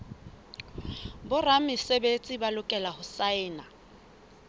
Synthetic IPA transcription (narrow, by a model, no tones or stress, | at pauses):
bʊramɪsebet͡sʼibalʊkʼɛlahʊsaɪːna